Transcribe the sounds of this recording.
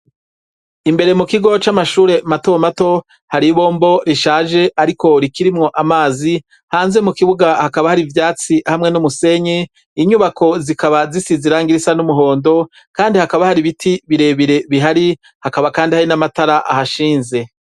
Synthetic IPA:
imbe̞ɾe̞mukiɡo̞t͡ʃamaʃuːɾe̞matomato̞ | haɾiβo̞ːmbo̞ɾiʃaːʒe̞ʔaɾiko̞ɾikiɾimŋo̞ʔamaːzi | haːnze̞mukiβuɡahakaβahaɾivjaːt͡sihamŋe̞numuse̞ɲeː | ɲuːβakʰo̞zikaβazisiziɾaːŋɡiɾisanumuɦo̞ːndo̞ | kaːndihakaβahaɾiβitʰiβiɾe̞βiɾe̞βiɦaɾi | hakaβakaːndihaɾinamataɾaʔa̰haʃiːnze̞

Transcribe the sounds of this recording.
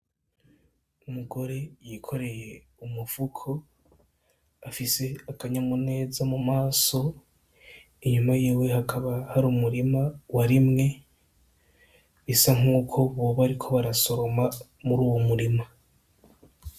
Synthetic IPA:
umuɡo̞ɾe̞jikʰo̞ɾe̞je̞ | umuv̥ukʰo̞ | afise̞akaɲamune̞ːzamumaːso̞ | iɲumajiːwe̞ɦakʰaβahaɾumuɾimawaɾimŋe̞ | isaŋ̥uːkʰo̞βoβaɾikʰo̞βaɾaso̞ɾo̞ma | muɾuːwomuɾima

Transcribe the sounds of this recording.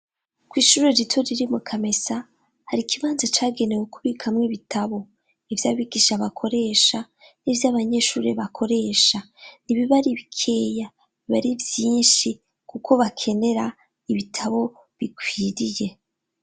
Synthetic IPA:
kwiːʃuɾeɾitʰoɾiɾimukʰame̞sa | haɾikiβaːnzat͡ʃaːɡe̞newukuβikʰamŋiβitʰaβo̞ | ivjaːβiɡiʃaβakʰo̞ɾe̞ːʃa | nivjaβaɲe̞ːʃṵːɾeβakʰo̞ɾe̞ːʃa | niβiβaɾiβikʰe̞ːja | iβa̰ɾivjiːnʃi | kukʰo̞βakʰe̞ne̞ɾa | iβitʰaβo̞ | βikwiːɾije̞

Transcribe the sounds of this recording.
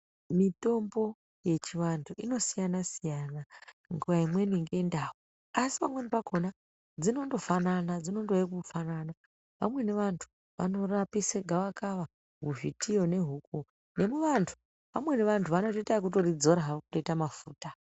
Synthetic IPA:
mito̞mbo̞ | je̞t͡ʃiʋantʰuino̞sijanasijanaŋɡuʋaimwe̞niŋɡe̞ndawu | asi̥pamwe̞nipakʰona | d͡zino̞ndo̞fananad͡zino̞ndojekufanana | ʋa̰mwe̞ne̞ʋantʰu̥ | ʋa̰no̞rapiseɡʱaʋakaʋa | ɦuvitijo̞ne̞ɦuk̚u | ne̞muʋantʰu̥ | ʋamwe̞ne̞ʋantʰuʋano̞toitak̬uto̞rid͡zo̞ɾaɦaokuto̞itamafuːta

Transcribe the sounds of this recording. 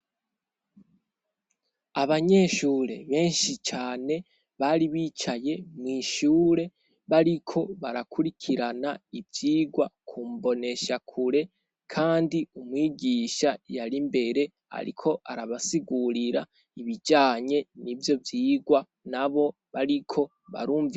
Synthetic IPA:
aβaɲe̞ʃuːɾe̞̰βe̞ːnʃit͡ʃaːne̞ | βaɾiβiːt͡ʃaje̞mwiːʃuːɾe̞ | βaɾikʰo̞βaɾakʰuɾikʰiɾanaivjiːɡwakʰumbo̞ne̞ʃakʰuɾe̞ | kʰaːndiumwiːɡiːʃajaɾimbe̞ɾe̞ | a̰ɾḭkʰo̞ʔaɾaβasiɡuɾiɾa | iβid͡ʒaːɲe̞nivjo̞vjiːɡwa | naβo̞ | βaɾikʰo̞ | βa̰ɾuːɱvi

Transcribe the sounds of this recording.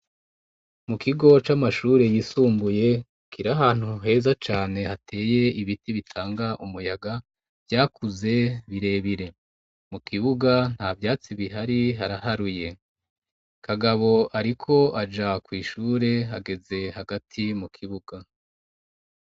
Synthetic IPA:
mukiɡo̞t͡ʃamaʃuːɾe̞jisuːmbuje̞ | kiɾaɦaːn̥huɦe̞ːzat͡ʃaːne̞hatʰe̞ːje̞iβitiβitʰaːŋɡaʔumujaɡa | vjaːkuze̞βiɾe̞ːβiɾe̞ | mukiβuɡan̥havjaːt͡siβiɦaɾiɦaɾaɦaɾuje̞ | kʰaɡaβo̞aɾikʰo̞ʔad͡ʒakwiːʃuːɾe̞ɦaɡe̞ze̞haɡatʰimukʰiβuɡa

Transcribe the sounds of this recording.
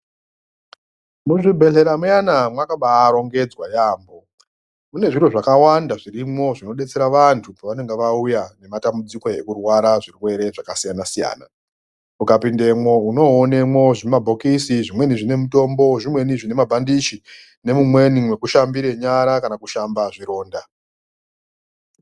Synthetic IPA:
muʐibʱe̞ɬe̞ɾamujanamwakaɓaːɾo̞ŋɡe̞d͡zwajaːmbo̞ | mune̞ʐiroʐakawandaʐirimo̞ʐino̞ɗe̞t͡se̞ɾaʋantʰupaʋane̞ŋɡeʋaujane̞matambud͡ziko̞e̞kurwaɾaʐirwe̞ɾe̞ʐakasijanasija̰ːna̰ | ukapinde̞mwo̞uno̞ːne̞mwo̞ʐinemabʱo̞kisiʐimwe̞niʐine̞muto̞mbo̞ʐimwe̞niʐine̞mabʱandiʃi | ne̞mumwe̞nimwe̞kuʃambiɾe̞ɲaɾakanakuʃambaʐiɾo̞ːnda

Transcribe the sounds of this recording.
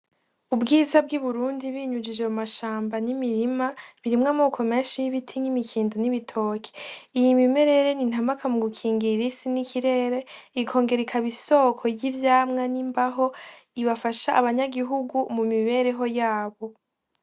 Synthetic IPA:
ubɡiːzab̚ɡiβuɾuːndiβiːɲud͡ʒid͡ʒemumaʃaːmbanimiɾimaβiɾimŋaːmo̞ːkʰo̞me̞ːnʃijiβitʰiŋ̥imikʰiːndoniβitʰo̞ːkʰe̥ijimime̞ɾe̞ɾe̞nin̥hamakʰamuɡukʰiːŋɡiɾisinikʰiɾe̞ːɾe̞ikʰo̞ːŋɡe̞ɾekʰaβiso̞ːkʰo̞jivjaːmŋanimbaɦo̞iβafaʃaʔaβaɲaɡiɦuɡumumiβe̞ːɾe̞ɦo̞jaːβo̞

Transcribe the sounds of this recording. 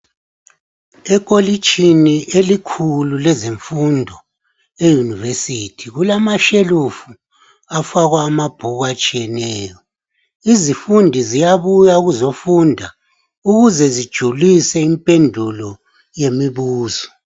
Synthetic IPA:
ɛkʼolit͡ʃʼʰiniʔelikʰululɛzeɱfundʱɔ | ejunivesitʰiɣulamaʃelufu | afaɣwaːmab̥ʱuɣat͡ʃʼijɛnɛːjɔ | izifundʱizijaβujaɣuzofundʱa | uɣuzɛzid̥ʒ̥ʱulisɛimpʼɛndʱulɔ | jemiβuːzɔ̥

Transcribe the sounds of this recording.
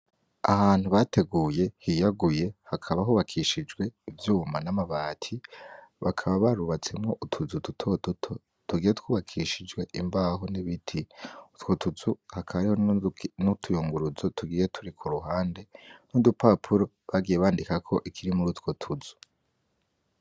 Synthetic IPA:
ahaːn̥huβate̞ɡuːje̞hijaɡuje̞hakʰaβaɦuːβakʰiʃid͡ʒɡwe̞ivjuːmanamaβaːtʰiβakʰaβaβaɾuβat͡se̞mŋoʔutʰuzututʰotutʰo | tuɡiːjetkuːβakʰiʃid͡ʒɡwe̞ʔimbaːɦoniβitʰiutwo̞tuzuhakʰaβaɾiho̞nutʰujuːŋɡuɾuzo̞tʰuɡije̞tʰuɾikʰuɾuɦaːnde̞nudupʰapʰuɾo̞ | βaɡijeβaːndikakʰo̞ʔikʰiɾimuɾutwotʰuzu̥

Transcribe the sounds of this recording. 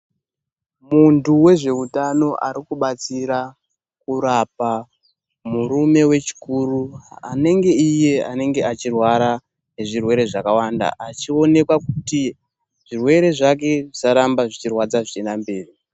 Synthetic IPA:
muntuwe̞ʐe̞utano̞ʔaɾikuɓat͡siɾa | kuɾapa | muɾume̞we̞t͡ʃi̥kuːruane̞ŋɡe̞ije̞a̰ne̞ŋɡe̞at͡ʃirwaɾa | neʐirwe̞ɾe̞ʐakawanda̰ʔat͡ʃio̞ne̞kwakuti | ʐ̥irwe̞ɾe̞ʐak̬e̞ʐisaɾambaʐit͡ʃirwad͡zaʐit͡ʃenambeːri

